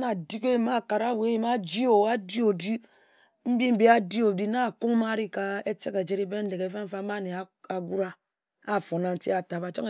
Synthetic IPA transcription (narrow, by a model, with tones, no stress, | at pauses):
na˨di˦ke˦˨ma˦˨ka˨ɾa˦˨we˦ji˦ma˦d͡ʒi˦o˨a˦di˦o˨di˦ | m̩˦bi˦m̩˦bi˦a˦di˦o˨di˦na˦˨ku˦ŋ˦ma˦ɾi˦ka˦e˦te˦ke˨d͡ʒe˦ɾi˦be˦n̩˦de˨ke˨˦fa˦m̩˦fa˦ma˦˨ne˨a˨a˨ɡu˦ɾa˦ | a˦˨fo˨na˨n̩˨˦ti˦a˨ta˨βa˨t͡ʃa˦ŋe˨